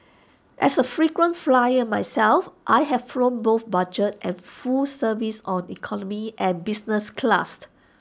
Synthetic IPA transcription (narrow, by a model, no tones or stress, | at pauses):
ʔɛsəfɹikwə̃nflajəmajsɛlfʔajɦɛvfɹõnboθbad͡ʒət̚ʔɛ̃nfulsəvisɔ̃nikʰɔnɔmiʔɛ̃nbisnəskʰla̰st